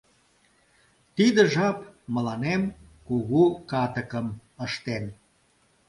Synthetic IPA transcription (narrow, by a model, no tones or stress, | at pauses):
t̪id̪ə̆ʒɑpmə̆lɑnemkuɣukɑt̪əkəməʃt̪en